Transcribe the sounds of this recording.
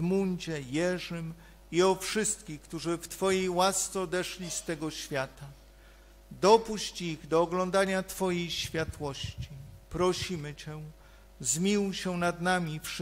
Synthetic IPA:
muɲd͡ʑɛjɛʐɘm | iɔfʂɘst̪kʲixkt̪uʐɘft̪fɔjejwast̪sɛɔd̪ɛʂlʲist̪ɛɡɔɕfʲjat̪a | d̪ɔpuɕt͡ɕiɣd̪ɔːɡlɔnd̪aɲat̪fɔjejɕfʲjat̪wɔɕt͡ɕipɾɔɕimɘt͡ɕɛ | zmʲiwɕɛnad̪namʲifʂ

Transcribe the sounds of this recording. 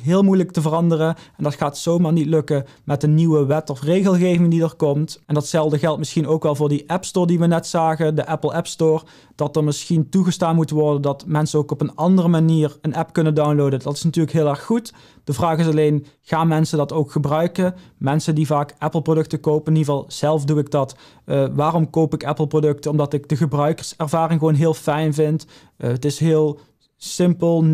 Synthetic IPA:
ɦɪːlˠmujləktəvərɑndərəɛndɑtxaːtsowmaːɹnitlɵkə | mɛt̚dəniʋəʋɛtɔfrejɣəlˠɣejvɪŋdidəɹkɔmtʔɛndɑtsɛlˠdəɣɛlˠt̚mɪsxinowkʋɛlˠvʊːɹdiʔɛpstoːɹdiʋənɛtsaːχədəʔɛpəl̩ˠɛpstoːɹ | d̥ɑtəɹmɪsxintuɣəstaːnmutʋɔɹdəndɑtmɛnsənowkɔpənɑndərəmaniːrənɛpkɵnəndawnlowdəndɑtɪ̥snɑtyːɹləkɦɪːlˠɛɹxːut | d̥əvraːχɪsɑlejn | ɣaːnmɛnsədɑtowkxəbrœɥkəmɛnsəndivaːkɛpəl̩ˠprodɵk̚təkowpənɪnivɑːlˠz̥ɛlˠfduɪɡ̚dɑtː | ʋaːrɔmkowpɪkɛplˠprodɵk̚təɔmdɑtɪɡ̚dəɣəbrœɥkəɹsɛɹvaːrɪŋxʋonɦɪːlˠfɛjnvɪnt | ətɪsɦɪːlˠ | sɪmpəlˠ

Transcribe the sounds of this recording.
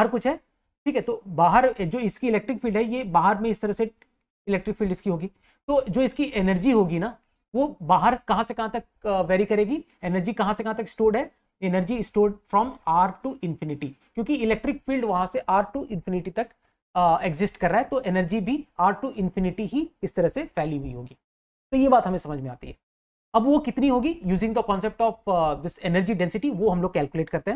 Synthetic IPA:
ɦəɾkʊt͡ʃʰɦɛː | ʈʰiːkɦɛt̪oːbaːɦəɾd͡ʒoːɪskiɪlɛːk̚ʈɾɪkfiːlɖɦɛjebaːɦəɾmẽɪst̪ɐɾɐse | ɪlɛːk̚ʈɾɪkfiːlɖɪskiɦoːɡiː | t̪oːd͡ʒoːɪskiʔɛnəɾd͡ʒiɦoːɡina | ʋoːbaːɦəɾkɐɦãsekɐɦãt̪ɐk | ʋɛːɾikɐɾeːɡiː | ɛnəɾd͡ʒikɐɦãsekɐɦãt̪ɐkɪ̥sʈoːɾɖɦɛ | ɛnəɾd͡ʒiɪsʈoːɾɖfɾɔːmaːɾʈʈuʔɪ̃nfɪnɪʈikjõːkiɪlɛːk̚ʈɾɪkfiːlɖʋɐɦãseʔaːɾʈuʔɪ̃nfɪnɪʈit̪ɐk | eɡzɪsʈkɐɾːaːɦɛt̪oʔenəɾd͡ʒibʱiaːɾʈʈuʔɪ̃nfɪnɪʈiɦiɪst̪ɐɾɐɦsefɛːliɦiɦo̰ːɡiː | t̪oːjebaːt̪ɦɐmẽsɐməd͡ʒʱmẽaːt̪iɦɛː | ɐbʋokɪt̪niɦoːɡijuːzɪ̃ŋd̪əkɔ̃ːnsep̚ʈɔːfd̪ɪsenəɾd͡ʒiɖɛ̃nsɪʈiʋoɦɐmloːɡ̚kɛːlkjʊleːʈkɐɾt̪eɦɛ̃ː

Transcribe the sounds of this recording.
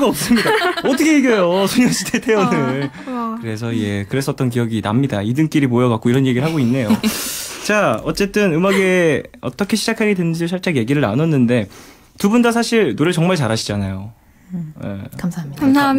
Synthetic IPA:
ɡaʌp̚s͈ɯmɲidaʌtʰɯkʰejeɡjʌjosʰoɲjʌɕ͈ʰitʰetʰe̞unɯɭ | kɯɾe̞s̬ʰʌie̞kɯɾe̞s͈ʌt̚t͈ʌnk̬ijʌɡina̰mɲidaidɯŋk͈iɾimojʌɡak͈oiɾʌnje̞ɡiɭɦaɡoinːe̞jot͡ɕaʌt͡ɕ͈e̞t͈ɯnɯmaɡe̞ʌt͈ʌkʰe̞ɕʰid͡ʑakʰaɡedwenɯnd͡ʑioɕʰʌɭt͡ɕ͈eje̞ɡiɾɯɭna̰nʌnːɯnde̞ | tubundas̬ʰaɕʰiɭnoɾɯɭt͡ɕʌŋmaɭt͡ɕaɾaɕʰi̥d͡ʑanajo | ḛamsakamsʰa

